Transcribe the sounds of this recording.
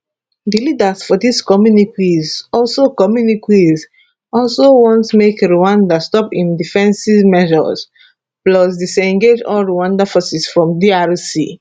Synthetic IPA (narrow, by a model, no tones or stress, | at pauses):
dilidasfɔdiskɔmjunikwizɔlsokɔmjunikʰwiz | ɔlsowɔ̃ntmekɹuãndastɔpĩndifɛ̃nsimɛʒɔ̰s | blɔs̬disɛ̃ŋɡed͡ʒɔlɹuwãndafɔsisfɹɔ̃mdiaɹsḭ